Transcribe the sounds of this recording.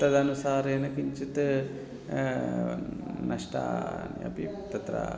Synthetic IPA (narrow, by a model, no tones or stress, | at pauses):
t̪ɐd̪ɐnusaːɾeːnɐkiɲt͡ʃit̪ | nɐʂʈa̰ːnḭɐ̰pit̪ɐt̪ɾɐ̰